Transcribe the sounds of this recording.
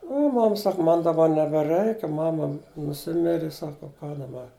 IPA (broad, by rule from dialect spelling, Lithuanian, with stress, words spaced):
ʊ ˈmɐm ˈsɐk ˈmɐn dɐˈbɐ nʲɛbʲɛˈrɜɪkʲɪ ˈmɑːmɐ nʊˈsʲɪmʲɪrʲɪ ˈsɑːkɐ ʊ kɑː dɐˈbɐ